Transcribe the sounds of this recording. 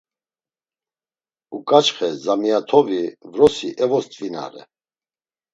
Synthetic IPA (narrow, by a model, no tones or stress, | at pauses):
ukʼat͡ʃχɛzamijat̪ʰɔvivɾɔsiʔɛvɔst̪ʼvina̰ɾɛ̰